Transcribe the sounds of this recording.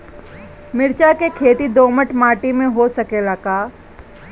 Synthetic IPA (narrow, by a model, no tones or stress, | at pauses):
mɪɾt͡ʃakekʰeːt̪id̪oːməʈmaːʈimẽɦosɐkelakaː